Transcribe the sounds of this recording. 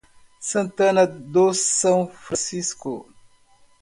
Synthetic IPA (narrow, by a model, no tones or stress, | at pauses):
sɐ̃nt̪ɐnɐd̪ossɐ̃wfɾɐ̃sisko̰